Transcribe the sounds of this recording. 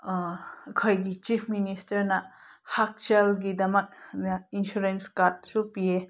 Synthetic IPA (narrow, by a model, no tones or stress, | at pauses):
kʰojɡit͡ʃipʰministɐɾnɐ | hak̚t͡ʃelɡidɐmɐk̚nɐinsuɾenskaɾt̚supije